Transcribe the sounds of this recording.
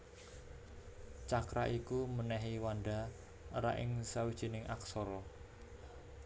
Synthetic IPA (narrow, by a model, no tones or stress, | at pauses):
t͡ʃakɾaʔikumənɛɦiwaɳɖa | əɾa̰ʔɪ̰ŋsawid̥ʒ̥i̤nɪŋʔa̰ksɔɾɔ